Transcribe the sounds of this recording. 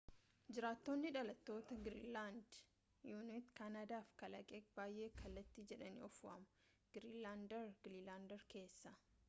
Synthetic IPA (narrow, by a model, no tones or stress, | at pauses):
d͡ʒɪɾaːt̪ːo̞ːnːɪᶑɐlɐt̪ːo̞ːt̪ɐɡɪɾḭːlaːnd̪ | juːnɪt̪kaːnaːd̪aːfkɐlɐ̰kʼeːbaːjʔe̞ːkʰɐlːɐt̪ːiːd͡ʒɛᶑɐnḭɔfʊʔɐ̰mɐ̥ | ɡ̥ɾiːlaːnd̪ɛɾɡɾiːlaːnd̪ɛɾke̞ːsːɐ